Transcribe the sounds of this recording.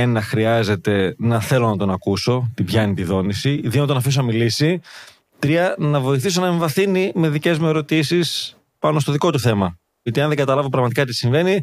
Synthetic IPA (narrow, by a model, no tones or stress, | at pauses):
enɐxɾiɐze̞t̪e̞nɐθe̞lo̞nɐt̪o̞nɐkuso̞t̪ibʝɐnit̪iðo̞nisiðionet̪onɐfis̬onɐmilisi | t̪ɾiɐnɐvo̞iθiso̞nɐeɱvɐθinime̞ðice̞zmueɾo̞t̪isis | pɐno̞st̪oðiko̞t̪uθe̞mɐ | ɐt̪iɐ̃nðeɡɐt̪ɐlɐvo̞pɾɐɣmɐt̪ikɐt̪isiɱve̞ni